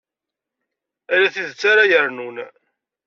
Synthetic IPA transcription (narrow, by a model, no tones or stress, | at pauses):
ælæθiðət͡sːaɾajəɾnun